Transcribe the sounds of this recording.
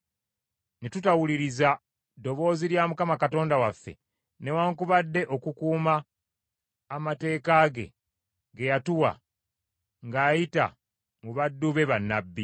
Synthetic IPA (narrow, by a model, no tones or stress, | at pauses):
netutawuliɾiza | do̞βo̞ːziɾjaːmukamakato̞ːndawafːe̞̰ | ne̞waːŋkuβadːe̞ʔo̞kukuːma | mate̞ːkaːɡe̞̰ | ɡe̞jatuwa̰ | ŋɡaːjita̰ | muβadːuβe̞βanːabːi